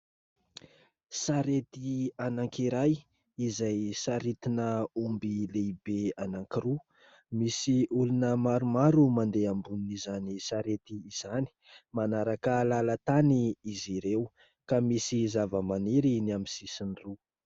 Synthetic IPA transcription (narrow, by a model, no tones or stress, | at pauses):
saɾet̪ianaŋkiɾaj | izajsaɾit̪inəumbileibeanaŋkiɾu | misiʔulunəmaɾumaɾumand̪eambuninizanisaɾet̪iːz̥ani̥manaɾakəlalat̪aniiziɾew | kamisizavəmaniɾiniamisisinru